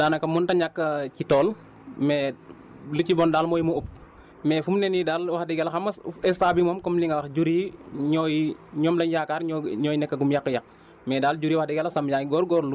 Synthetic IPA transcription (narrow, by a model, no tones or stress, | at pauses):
daːnɐkɐmːuntɐɲakːɐcitɔːl | mɛ | lucibɔːndaːlmɔːjmuup̚ | mɛfumnɛnidaːlwɐxdɛɡɛlɐxɐmɐɛstaːbimɔːmkɔmliŋɡɐwɐxɟuɾiɲɔːjɲɔːmlɐɲjaːkaːɾɲɔɲɔːjinɛkːɐɡumjakːəjɐk̚ | mɛːdaːlɟuɾiːwɐxdɛɡɛlɐsɐmjaŋɡɔːɾɡɔːɾlu